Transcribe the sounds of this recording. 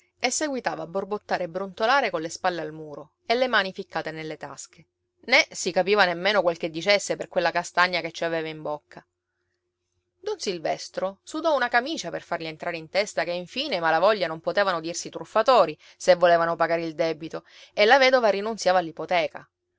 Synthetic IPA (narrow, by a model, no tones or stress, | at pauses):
esːeɡwit̪aːvaːbːorbot̪ːaːɾebːɾont̪olaːɾekonlːespalːealmuːɾo | elːemaːnifikʰːaːt̪enelːet̪a̰ske | nesikapiːvanemːeːnokwelk̟ed̪ːit͡ʃesːeperkwelːakast̪aɲːaket͡ʃːiaveːvaimbokʰːa | d̪onsilvɛst̪ɾosud̪ɔunakamiːt͡ʃaperfarʎient̪ɾaːɾeint̪ɛst̪akeiɱfiːnemalavɔʎːanompot̪eːvanod̪irsit̪ɾufːat̪oːɾi | sevːolɛːvanopaɡaːɾeild̪ɛːbit̪o | elːavɛːd̪ovaɾinunsjaːvaːlːipot̪ɛːka̰